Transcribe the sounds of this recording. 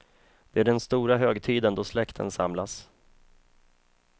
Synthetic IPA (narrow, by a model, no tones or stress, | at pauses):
d̪̥ɛæɖɛnst̪uːɾaɦøːɡt̪ʰiːd̪ənd̪ɔslɛkt̪ʰə̰nsa̰mlas